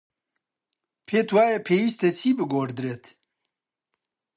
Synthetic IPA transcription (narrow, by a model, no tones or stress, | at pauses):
pʰeːt̪waːjɐpʰeːwist̪et͡ʃʰiːbɨɡoːɾd̪ɾeːt̪